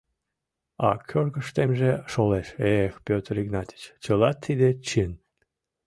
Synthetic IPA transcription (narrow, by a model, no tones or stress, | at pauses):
ɑ̰kʰʲørɣəʃt̪emʒeʃoleʃexpʲøt̪riɡnɑt̪ʲi̥t͡ɕt͡ɕəlɑt̪ʰːid̪et͡ɕin